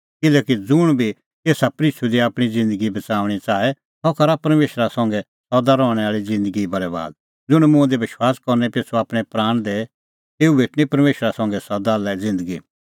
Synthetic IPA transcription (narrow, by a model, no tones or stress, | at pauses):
kɪlɛːkid͡zʊɽ̃bʱi | t̪eːsapɾiːt͡ʃʰud̪iaːpɽ̃id͡zɪ̃nd̪əɡibɐt͡saːʋɽ̃it͡saːɛ | t̪ɔkɐɾapɐɾmeːʃɾasɐ̃ŋɡɛ | sɔd̪aɾɔːɽ̃ɛaːɭizɪ̃nd̪əɡibɐɾɛba̰ːd̪̚ | d͡zʊɽ̃mʊ̃ɛ̃d̪eʋɪʃwaːskɔɾnɛpeːsʰuaːpɽ̃ɛpɾaːɽ̃d̪e | eːubʱeːʈʰnipɐɾmeːʃɾasɐ̃ŋɡɛsɔd̪alɛd͡zɪ̃nd̪əɡi